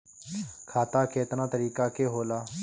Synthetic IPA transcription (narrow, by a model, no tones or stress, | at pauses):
kʰaːt̪aːkeːt̪nãːt̪əɾiːkaːkeːɦoːlaː